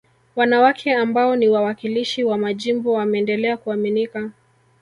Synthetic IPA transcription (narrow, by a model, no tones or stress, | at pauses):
wanawakʰɛambaɔniwawakiliʃiwamaʄimbɔwamɛːndɛlɛakuaminika